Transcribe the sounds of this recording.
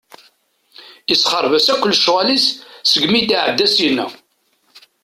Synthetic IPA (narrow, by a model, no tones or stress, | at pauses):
isχəɾˤvæsækʷːəlːʃʁælissəɡmit̪aʕəd̪ːæsjənːæ̰